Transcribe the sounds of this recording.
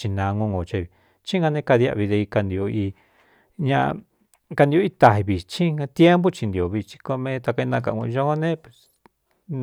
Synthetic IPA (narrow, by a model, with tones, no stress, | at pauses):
t͡ʃi˧nã˧ŋõ˧ŋɡo˨t͡ʃa˧βi˨ | t͡ʃĩ˦ɡa˧nẽ˧ka˧ði˧a̰˧˨βi˧ðe˧i˧ka˧nd̪i˧o˧i˧ | ɲã̰˧ | ka˧nd̪i˧o˧i˦t̪a˨ɦi˧βi˨t͡ʃĩ˦a˧t̪je˦mbo˦t͡ʃi˧nd̪i˨o˨βi˧t͡ʃi̥˧ko˧mẽ˧t̪a˧ka˧i˧nã˧k̬a̰˧˨ŋṵ̃˧ʒõ˦nẽ˦pe̥˨s